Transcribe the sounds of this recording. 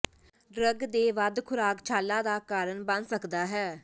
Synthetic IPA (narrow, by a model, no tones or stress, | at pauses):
ɖɾəɡd̪eːʋəd̪kʰʊɾaːkt͡ʃʰaːlːãːd̪aːkaːɾənbənsəkd̪aːɦɛː